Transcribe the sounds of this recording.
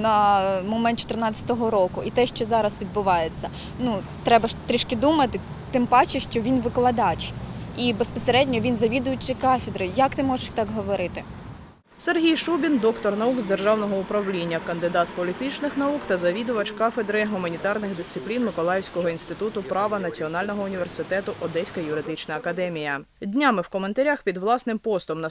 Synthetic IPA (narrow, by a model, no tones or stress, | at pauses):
nɐmɔmɛnt̪t͡ʃɔ̥t̪ɪrnɑt͡sʲɐ̥t̪ɔɦɔɾɔkʊʔit̪ɛʃt͡ʃɔzɑɾɐsʋʲid̪̚bʊʋɑjet͡sʲːɐ | nu | t̪ɾɛbɐʃt̪ɾʲiʃkɪd̪umɐt̪ɪ | t̪ɪmbɑt͡ʃɪʃt͡ʃɔʋʲinʋɪklˠɐd̪ɑt͡ʃibespɔseɾɛdʲnʲɔʋʲinzɐʋʲid̪ʊjʊt͡ʃɪkɑfʲɪd̪ɾɪjɐkt̪ɪmɔʒeʃt̪ɑkɦɔʋɔɾɪt̪ɪ | serɦʲijʃubʲind̪ɔkt̪ɔrnɐuɡzd̪erʒɑwnɔɦɔʊpɾɐwlʲinʲːɐkɐnd̪ɪd̪ɑt̪pɔlʲit̪ɪt͡ʃnɪxnɐukt̪ɐzɐʋʲid̪ʊʋɐt͡ʃkafed̪ɾɪɦʊmɐnʲit̪ɑrnɪxd̪ɪst̪sɪplʲinmɪkɔlˠɑjɪwsʲkɔɦɔinst̪ɪt̪ut̪ʊpɾɑʋɐnɐt͡sʲiɔnɑlʲnɔɦɔʊnʲiʋersɪt̪ɛt̪ʊʔɔd̪ɛsʲkɐjʊɾɪd̪ɪt͡ʃnɐːkɐd̪ɛmʲijɐ | d̪ʲnʲamɪwkɔment̪ɐɾʲaxpʲid̪ʋlˠɑsnɪmpɔst̪ɔmnɐ